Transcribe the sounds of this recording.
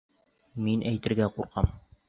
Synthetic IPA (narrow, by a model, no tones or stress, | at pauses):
minʔæjt̪ɘ̆ɾɡæquɾqɑm